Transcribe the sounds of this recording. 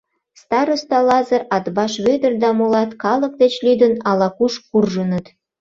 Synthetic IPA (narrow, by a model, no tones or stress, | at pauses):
st̪ɑɾost̪ɑlɑzəɾɑt̪bɑʃβød̪ərd̪ɑmolɑt̪kɑlək̚d̪et͡ɕlyd̪ənɑlɑkuʃkurʒənət̪